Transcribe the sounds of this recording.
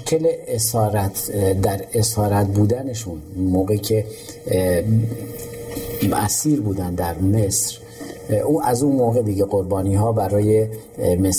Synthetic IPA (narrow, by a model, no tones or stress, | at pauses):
ʃcʰeleesɒːɾæt̪ʰd̪æɾesɒːɾæt̪buːd̪æneʃunmoːɣecʰe̞ | ʔæ̰siːɾbuːd̪ænd̪d̪æɾmesɾ | ʔuːʔæzunmoːɣe̞d̪iɟe̞ɣo̞ɾbɒːniːɦɒːbæɾɒːje̞ | mes